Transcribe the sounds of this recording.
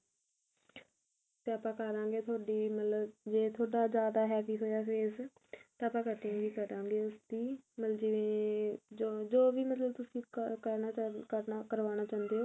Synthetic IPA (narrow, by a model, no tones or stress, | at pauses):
t̪eːaːpãːkəɾãːŋɡeːt̪ʰoaːɖiːmət̪ləbd͡ʒeːt̪ʰoːɽaːzjaːd̪aːɦɛːpiːɦoːjaːfeːs | t̪ãːpãːkəʈːɪ̃ŋɡʋiːkəɾãːŋɡeːʊsd̪iːmələd͡ʒɪʋẽːd͡ʒod͡ʒoːʋiːmət̪ləb̚t̪ʊsĩːkəɾnaəakəɾʋaːñaːt͡ʃãːnd̪eːɦoː